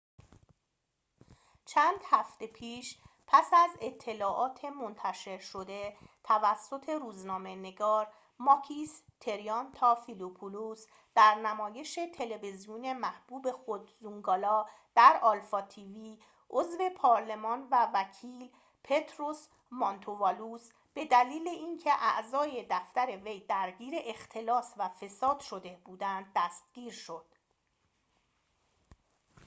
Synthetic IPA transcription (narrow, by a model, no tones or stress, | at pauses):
t͡ʃʰæːnd̪̥hæft̪e̞pʰiːʃpʰæsæze̞t̪ʰːe̞lɒːʔɒːt̪ʰe̞mo̞nt̪ʰæʃe̞ɾʃo̞d̪e̞t̪ʰævæsːo̞t̪ʰe̞ɾuːznɒːme̞ne̞ɡɒːɾ | mɒkʰist̪ʰe̞ɾijɒnt̪ʰɒːfilupʰulus | d̪̥æɾnæmɒːje̞ʃe̞t̪ʰe̞le̞vezijune̞mæhb̥uːbe̞xod̪zuŋɡɒːlɒː | d̪̥æɾɒlfɒt̪ʰiviː | ʔozve̞pʰɒːɾle̞mɒːnvævæcʰiːl | pʰe̞t̪ʰɾos | mɒnt̪ʰovɒlus | b̥e̞d̪æliːle̞iːncʰe̞ʔæ̰ʔzɒːje̞d̪æft̪æɾe̞ve̞jd̪æɾɟiːɾe̞ʔext̪ʰe̞lɒːsvæfe̞sɒːd̪̥ʃo̞d̪e̞buːd̪ænd̪̚ːæst̪̚ɡ̥iːɾʃo̞d̪̥